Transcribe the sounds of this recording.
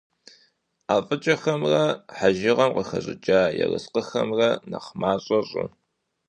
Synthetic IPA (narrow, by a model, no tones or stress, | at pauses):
aːfʼɨt͡ʃʼɐxɐmrɐħaʒɪʁɐmqəxɐɕʼɪt͡ʃʼaːjɛ̰rɨsqəxɐmrɐnɐχmaːɕʼɐɕʼʊ̰